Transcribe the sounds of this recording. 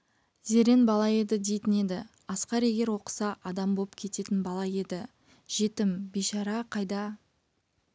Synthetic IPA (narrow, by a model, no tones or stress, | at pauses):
ze̞ɾe̞nbɑlˠɑje̞d̪ɪd̪e̞jt̪ɪne̞d̪ɪ | ɑsqɑɾe̞ɡʲe̞ɾwo̞qə̥sɑʔɑd̪ɑmbolˠpkʲʰe̞t̪e̞t̪ɪnbɑlˠɑje̞d̪ɪ | ʒ̥e̞t̪ɪmbeʃɑɾɑqʰɑjd̪ɑ